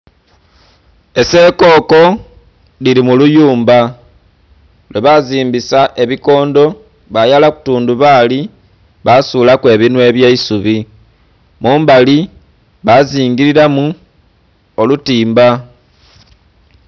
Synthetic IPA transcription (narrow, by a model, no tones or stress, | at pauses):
e̞se̞ːko̞ːko̞ | liɾimulujuːmba | lweβaziːmbisaʔe̞βiko̞ːndo̞ | βajalaku̥tuːnduβaːli | βasuːlakwe̞ːβinwe̞ːβjeisuβi | muːmbali | βaziːŋɡiɾiɾamu | o̞lutiːmba